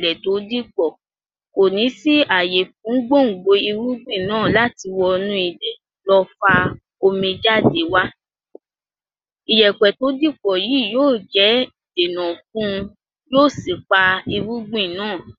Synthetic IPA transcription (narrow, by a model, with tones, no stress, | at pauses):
lɛ˨to˨˦di˦k͡pɔ˦˨ | ko˨nĩ˨˦si˦a˨je˨fũ˨˦ŋ̩˦ɡ͡bo˦˨ŋ̩˨ɡ͡bo˧i˧ɾu˦ɡ͡bĩ˦˨nãː˦˨la˦ti˧wɔ˧nũ˦i˦˨de˨ | lɔ˧fa˧ | o˧mĩ˧d͡ʒa˦˨de˨˦wa˦ | i˨jɛ˨k͡pɛ˨to˨˦di˦k͡pɔ˨ji˨˦˨joː˦˨d͡ʒɛ˨˦i˨de˨nã˨fũ˦˧ | joː˦˨si˨k͡pa˧i˧ɾu˦ɡ͡bĩ˦˨nãː˦˨